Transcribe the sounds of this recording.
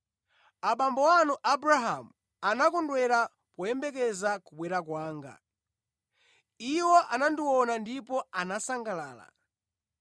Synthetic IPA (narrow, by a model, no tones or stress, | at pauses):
aɓambɔwanuʔabɾaɦamu | anakɔndwɛɾa | pɔjɛmbɛk̬ɛzakuɓwɛɾakwaːŋɡa̰ | iwɔʔanandiwɔnandipɔanasaŋɡalaːla̰